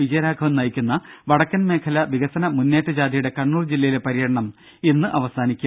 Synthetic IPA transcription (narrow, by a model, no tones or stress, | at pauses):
ʋid͡ʑɐjɐɾaːɡʰʱɐʋɐmnɐjikʲːunːɐʋɐɽɐkːɐnme̞ːkʰɐlɐʋiɣɐsɐnɐmunːeːʈːɐd͡ʑaːd̪ijuɽe̞kɐɳːuːrd͡ʑilːɐjilepɐɾijɐɽɐɳɐm | enːɨʔɐʋɐsaːnikʲːu